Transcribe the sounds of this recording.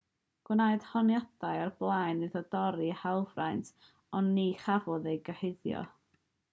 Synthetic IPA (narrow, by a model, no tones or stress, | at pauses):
ɡ̥wnajd̥hɔnjadajarblˠajnːɨðɔdɔɾihalˠvra̰jntʰ | ɔnːiχavɔðejɡəhɪðjɔ̰